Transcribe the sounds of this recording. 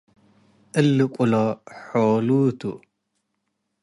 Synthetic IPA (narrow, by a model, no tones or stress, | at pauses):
ʔɨlːɨkʷʼʊlɔħolut̪ṵ